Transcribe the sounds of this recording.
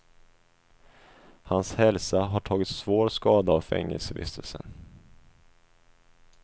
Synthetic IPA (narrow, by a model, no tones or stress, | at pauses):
hanshɛlsaɦaʈʰɑːɡɪt̪svoːɾskɑːd̪aɔfɛ̰ŋːɛ̰lsɛvɪ̰st̪əlsə̰n